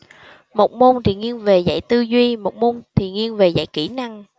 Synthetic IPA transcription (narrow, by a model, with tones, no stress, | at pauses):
mo˨˩t̚mo˧nt̪ʰi˨˩ŋi˧ənve˨˩za̰˧˨jt̪ɨ˧zwi˧mo˨˩t̚mo˧nt̪ʰi˨˩ŋi˧ənve˨˩za̰˧˨jki˧˩na˧ŋ